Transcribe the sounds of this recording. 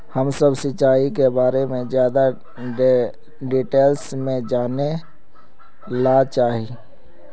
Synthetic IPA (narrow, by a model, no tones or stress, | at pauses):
həmsəbsɪt͡ʃaːikebaːɾemẽzjaːd̪a | ɖiːʈeːlsmẽd͡ʒaːne | laːt͡ʃaːɦi